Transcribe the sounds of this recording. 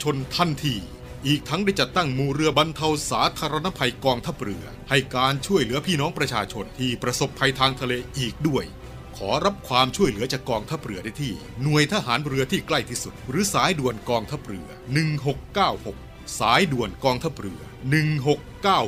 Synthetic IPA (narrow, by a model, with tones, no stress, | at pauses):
t͡ɕʰo˧nt̪ʰa˥˩nt̪ʰiː˧ | ʔiː˨˩k̚t̪ʰa˦˥ŋda˥˩jt͡ɕa˨˩t̪ːa˥˩ŋmuː˧ɾɯ˧ɐba˧nt̪ʰa˧wsaː˩˦t̪ʰaː˧ɾa˧na˦˥pʰa˧jkɔː˧ŋt̪ʰa˦˥p̚ɾɯ˧˩ɐha˥˩jkaː˧nt͡ɕʰu˥˩əjlɯ˩˦ɐpʰiː˥˩nɔː˦˥ŋpɾa˧t͡ɕʰaː˧t͡ɕʰo˧nt̪ʰiː˥˩pɾa˧so˨˩pʰːa˧jt̪ʰaː˧ŋt̪ʰa˧leː˧ʔiː˨˩k̚du˥˩əj | kʰɔː˩˦ɾa˦˥p̚kʰwaː˧mt͡ɕʰu˥˩əjlɯ˩˦ɐt͡ɕaː˨˩kːɔː˧ŋt̪ʰa˦˥p̚ɾɯ˧˩ɐda˥˩jt̪ʰiː˥˩ | nu˨˩əjt̪ʰa˦˧˥ɦaː˩˦nɾɯ˧ɐt̪ʰiː˥˩kla˥˩jt̪ʰiː˥˩su˨˩t̪̚ɾɯː˨˦saː˨˦jdu˨˩ənkɔː˧ŋt̪ʰa˦˥p̚ɾɯ˧ɐnɯ˨˩ŋɦo˨˩kːaː˥˩who˨˩k̚ | saː˩˦jdu˨˩ənkɔː˧ŋt̪ʰa˦˥˩p̚ɾɯ˧ɐnɯ˨˩ŋɦo˨˩kːaː˥˩w